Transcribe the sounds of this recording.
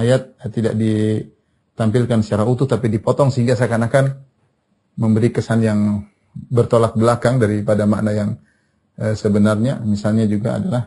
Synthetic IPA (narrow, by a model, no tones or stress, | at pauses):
ajat̪̚t̪ːida̰ʔ̚di | t̪ampilkansə̥t͡ʃaɾaut̪ʊht̪apidipɔt̪ɔŋsəɦiŋɡas̬akanakan | məmbəɾikəsanjaŋ | bərt̪olat̪̚bəlakaŋdaɾipadama̰ʔnajaŋ | əsəbənarɲamisalɲad͡ʒuɡa̰a̰dalah